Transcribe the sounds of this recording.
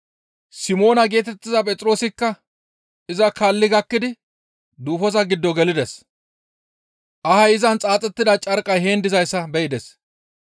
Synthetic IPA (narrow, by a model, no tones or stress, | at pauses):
sɪmo̞ːnɐɡe̞ːt̪ɛt̪ːɪzɐpʼɛt͡sʼɾo̞ːsɪkːɐ | ɪzɐkalːɪɡɐkːɪd̪ɪ | d̪uːfɔzɐɡɪd̪ːɔɡɛlɪd̪ɛs | ʔɐhɐjɪzɐnt͡sʼaːt͡sʼːɛt̪ːɪd̪ɐt͡ʃʼɐɾkʼɐjheːnd̪ɪzɐjsːɐbɛɪd̪ɛs